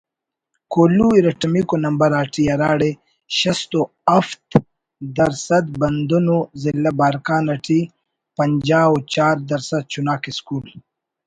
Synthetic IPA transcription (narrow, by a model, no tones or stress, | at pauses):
koːluiɾɐʈɐmikonɐmbɐɾaːʈijɐɾaːɽe | ʃɐst̪o | ɐft̪ | d̪ɐɾsɐd̪bɐnd̪unozilːɐbaːɾkaːnɐʈi | pɐɲd͡ʑaːwot͡ɕaːɾd̪ɐɾsɐd̪̚t͡ʃunaːkiskuːl